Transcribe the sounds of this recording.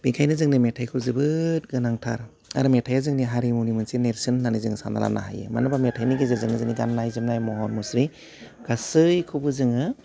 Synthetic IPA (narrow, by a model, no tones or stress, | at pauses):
b̥ikʰajnɯzɯŋnɯmetʰajkʰɯwzɯbɯt̚ɡɯnaŋtʰa̰ɾ | a̰ɾɯmetʰajazɯŋniɦaɾimonimensineɾsɯnːanizɯŋsa̰nda̰la̰na̰ɦa̰jɯ̰manabametʰajniɡezɯzɯŋnɯzɯŋniɡannajzɯmnajmɔɦɔnmusɾi | ɡ̥asɯjkʰɯbɯzɯŋɯ